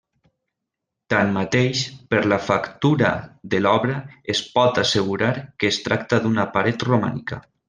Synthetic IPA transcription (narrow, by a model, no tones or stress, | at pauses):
t̪anmat̪eʃpəɾlafakt̪uɾa̰ðəlɔβɾəespɔt̪asəɣuɾaɾkeːst̪ɾak̚t̪aðunapaɾet̪ruma̰nika̰